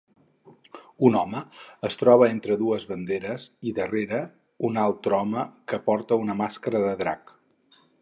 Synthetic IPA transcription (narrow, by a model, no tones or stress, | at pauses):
unɔməəst̪ɾɔβ̞əent̪ɾəðuəzβənd̪eɾəziðəreɾə | unalˠt̪ɾɔməkəpɔɾt̪əunəmaskəɾəðəðɾa̰k